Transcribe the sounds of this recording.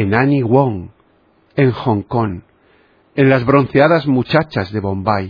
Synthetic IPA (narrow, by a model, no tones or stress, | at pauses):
enaniɣwoŋ | e̞ŋxo̞ŋko̞n | e̞nlazβɾo̞n̟θeaðazmut͡ʃat͡ʃazðe̞βõmbaj